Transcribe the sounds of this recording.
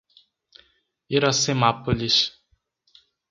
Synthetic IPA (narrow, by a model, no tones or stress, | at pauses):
iɾɔsemapuliʃ